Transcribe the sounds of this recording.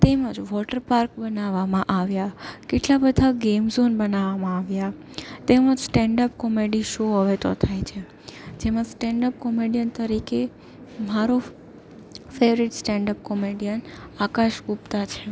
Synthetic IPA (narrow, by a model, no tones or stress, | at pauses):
t̪eməd͡ʒʋɔʈəɾpaɾkbənaʋamãʔaʋjakeʈlabəd̪ʱaɡemzonbənaʋamãaʋja | t̪eməd͡ʒsʈɛɳɖəpkɔmeɖiʃoɦəʋet̪o̰t̪ʰajt͡ʃʰe | d͡ʒemãsʈɛɳɖəp̚kɔmeɖijənt̪əɾike | maɾo | feʋɾiʈsʈɛ̃ɳɖəp̚kɔmeɖijənakaʃɡupt̪at͡ʃʰe